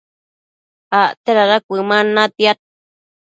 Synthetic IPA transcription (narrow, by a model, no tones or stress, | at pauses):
aʔt̪eɾaɾakʷɨmanːat̪iat̪̚